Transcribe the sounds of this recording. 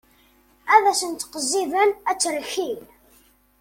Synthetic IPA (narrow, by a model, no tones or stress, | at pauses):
æðæsənt̪qəzːiðənæt͡sːəɾçil